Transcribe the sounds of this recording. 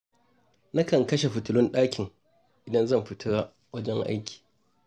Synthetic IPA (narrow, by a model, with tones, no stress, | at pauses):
na˦kɐ˨ŋkɐ˦ʃe˨ɸʊ˨tʊ˦lʊ˦nɗaː˦kʲʰɪ˨ŋ | ʔɪ˨dɐ˦nzɐ˦˨mɸɪ˦tʰɐ˦ɽa˦ | wɐ˦d͡ʒɛ˦ŋʔa̰˦jkʲʰi̥ː˨